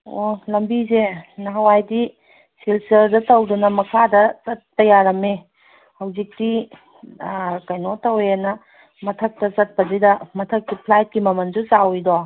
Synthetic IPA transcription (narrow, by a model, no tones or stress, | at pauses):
olɐmbizenɐɦɐwajdi | silsɐɾdɐtɐwdunɐmɐkʰadɐzɐtːɐjaɾɐme | hɐwzik̚ti | kɐjnotɐwjanɐ | mɐtʰɐk̚tɐzɐt̚pɐzidɐmɐtʰɐk̚ːipʰlajt̚kimɐmɐnzusawido